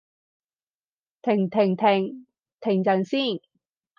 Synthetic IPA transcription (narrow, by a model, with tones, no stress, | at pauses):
t̪ʰɪ˨˩ŋt̪ʰɪ˨˩ŋt̪ʰɪ˨˩ŋ | t̪ʰɪ˨˩ŋt͡sɐ˨˩ŋsiː˥˩n